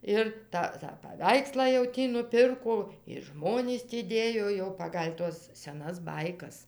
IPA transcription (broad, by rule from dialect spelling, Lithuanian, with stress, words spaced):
ˈɪr tɐ tɑː pɐˈʋʲɛɪkslˠɑː jɛʊ ˈtʲiː nʊˈpʲɪrkoː ɪr ˈʒmoːnʲiːs tʲiː ˈdʲeːjoː jɛʊ ˈpɑːɡɐlʲ ˈtuɔs sʲɛˈnɐs ˈbɐɪkɐs